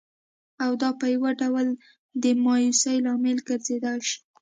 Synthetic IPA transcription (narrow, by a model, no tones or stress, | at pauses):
awd̪ɑpəjawaɖawal | d̪əmɑjusajlɑmɪlɡaɾzed̪ɑʃi̥